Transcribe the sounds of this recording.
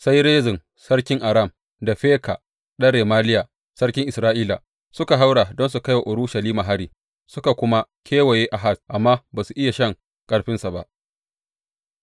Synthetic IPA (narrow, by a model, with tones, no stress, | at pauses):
sa˦jɾeː˦zɪ˨n | sɐ˦rkʲɪ˦ŋʔa˨ɾa˦˨m | da˨ɸeː˦ka̰˨ | ɗɐ˦ɽeː˨maː˦lɪ˦ja˨ | sɐ˦rkʲɪ˦ŋʔɪ˨sɾaː˦ʔiː˦la̰˨ | sʊ˦ka˨ɦa˦wɽa˨dɔ˦nsu˨kɐ˦jwa˨ʔʊ˨ɾu˦ʃa˨liː˦ma˨ɦa˦ɽiː˨ | sʊ˦ka˨kʷʊ˦ma˦kʲʰeː˦we˨jeː˦ʔa˨ɦa˦˨sʔa˨mːaː˦baː˨su˨ʔɪ˦ja˨ʃɐ˦˨ŋ | kʼɐ˨ɽɸɪ˦nsa˨ba̰˦ʔ